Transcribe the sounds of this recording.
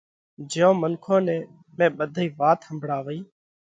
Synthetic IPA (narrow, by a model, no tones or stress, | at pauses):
d͡ʒɪjõːmənkʰõːnɛ̃ː | mẽːɓəd̪ʱiːʋaːt̪həmbʱɽaːʋəiː